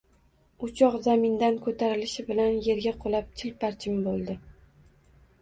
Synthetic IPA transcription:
ʊt͡ʃʰɒqzamɪnd̪ankʰɵt̪ʰaɾɪlɪʃɪbɪlanje̞ɾɡʲaqʰolap̚t͡ʃʰɪlpaɾt͡ʃʰɪmbolˠd̪ɪ

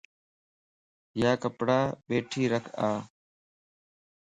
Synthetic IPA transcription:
jaːkəpɽaːɓeːʈʰiːɾəkʰaː

